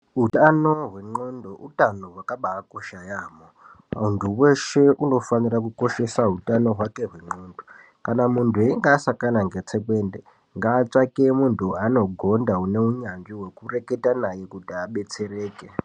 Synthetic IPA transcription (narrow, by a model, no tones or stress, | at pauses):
utano̞ɦweŋ͡ǃondoʔutanoɦwakaɓaːko̞ʃajaːmo | auntʰuwe̞ʃe̞ʔuno̞fanirakuko̞ʃe̞saɦutano̞ɦwake̞ɦwe̞ŋ͡ǃoːndo | kanamuntʰueiŋɡaːsakanaŋɡe̞t͡sekwe̞ːnde | ŋɡaːt͡ʂakemuntʰuano̞ɡʱo̞ndaune̞uɲanʐiɦwe̞kure̞ke̞tanajekutiaɓe̞t͡se̞reːke